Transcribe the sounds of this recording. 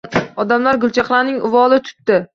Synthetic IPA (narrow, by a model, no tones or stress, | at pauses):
ɒd̪amlaɾɡʊlˠt͡ʃʰaχlˠaɾnɪŋʊvɒlˠɪt̪ʰʊ̥t̪ːɪ